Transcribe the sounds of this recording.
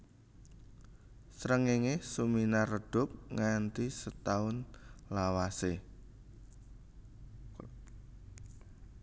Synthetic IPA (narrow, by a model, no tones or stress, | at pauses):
sɾəŋeŋesuminarəɖ̥ʊ̤p̚ŋant̪isət̪aʊnlawase